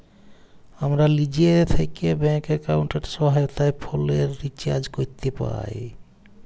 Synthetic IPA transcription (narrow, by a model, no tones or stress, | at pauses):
amɾalid͡ʒiet̪ʰekebɛŋkekaʊɳʈeɾsɔɦajot̪ajpʰoleɾːit͡ʃa̰ɾd͡ʒkoɾt̪epa̰j